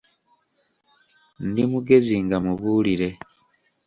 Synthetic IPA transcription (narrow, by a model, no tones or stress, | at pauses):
ndimuɡe̞ziŋɡamuβuːliɾe̞